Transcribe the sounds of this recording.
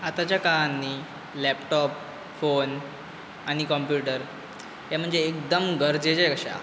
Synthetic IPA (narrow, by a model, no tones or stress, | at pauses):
at̪at͡ɕjakaɭanːiː | lɛpʈɔp | fon | aɽ̃ikɔmpjuʈəɾ | jam̤əɳd͡zeːkd̪əmɡəɾd͡zet͡ɕekəɕa̰